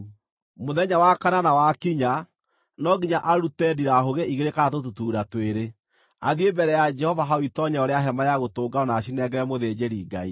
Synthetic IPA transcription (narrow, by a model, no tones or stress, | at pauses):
moðɛɲawakananawakiɲa | nɔɡiɲaʔaɾutɛdiɾaɦoɣeʔiɣeɾekaatotutuːɾatweɾe | aðiembɛɾɛjad͡ʒɛhɔvaɦaoitɔɲɛɔɾeaɦɛmajaɣotoːɡaɔnaːʃinɛɡɛɾɛmoðed͡ʒeɾiːɡa̰i